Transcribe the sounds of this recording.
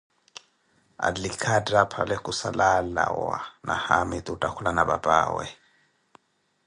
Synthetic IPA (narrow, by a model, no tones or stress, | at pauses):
a̰likʰadrapʰalɛkʼusalalawanahamitʼutʼakʰulanabapʼa̰ːwɛ